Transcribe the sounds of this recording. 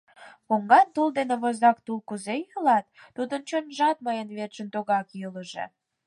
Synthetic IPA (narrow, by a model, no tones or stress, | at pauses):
koŋɡɑnt̪uld̪eneβozɑk̚t̪ulkuzejəlɑt̪ːud̪ənt͡ɕonʒɑt̪mɤjənβert͡ɕə̆nt̪oɣɑkjuləʒḛ